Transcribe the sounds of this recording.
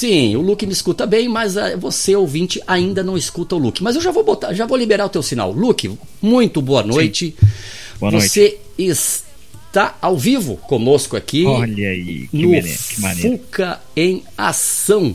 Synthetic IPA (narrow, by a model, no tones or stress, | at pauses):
sĩʊlukɪmɪiskut̪ɐbẽj̃mɐzɐvoseowvĩt͡ʃɪʔaĩnd̪ɐnɐ̃w̃ɪskut̪ɐʊlukɪmɐzewʒavowbot̪aʒavowlibeɾaʊt̪ewsina̰wlukɪ | mũj̃t̪ʊboɐnojt͡ʃɪ | vose | ɪs | t̪aawvivʊ̰kõnoskʊa̰kiʎɐḭnʊ̰ɾkɪmɐnefukɐ | ẽj̃a̰sɐ̃w̃